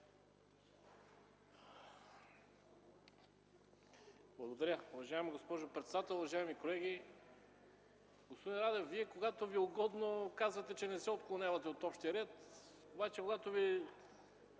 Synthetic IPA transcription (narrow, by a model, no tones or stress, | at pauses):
blˠɐɡod̪ɐɾʲəuvɐʒaɛmiɡospɔʒʊpɾɛt̪sɛd̪at̪ɛlˠʊvɐʒaɛmikolɛɡi | ɡospod̪inɾad̪ɛfviɛkoɡat̪ovioɡɔd̪nokazvɐt̪ɛt͡ʃɛnɛsɛot̪̚klˠonʲjavɐt̪ɛot̪ɔpʃt̪iəɾɛt̪ | obat͡ʃɛkoɡat̪ovi